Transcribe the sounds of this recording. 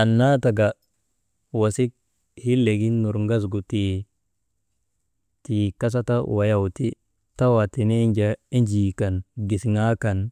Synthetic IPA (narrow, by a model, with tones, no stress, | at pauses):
a˨nːa˦ta˨ɡa˨ | wa˨si˦k̚ | hi˦lːe˨ɡi˦nu˨ɾŋɡa˦s̬ɡu˨ti˨ | ti˨ka˦s̬a˦ta˦wa˨ja˨wti˦ | ta˦wa˨ti˨ne˦ɲd͡ʒa˨i˦nd͡ʒiː˨ka˨nɡi˨sŋa˦ka˨n